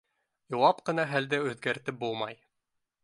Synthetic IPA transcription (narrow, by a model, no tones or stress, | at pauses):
jŏwɑpqɤ̆nɑɦæld̪ɘʉðɡæɾt̪ɘp̚bulˠmɑj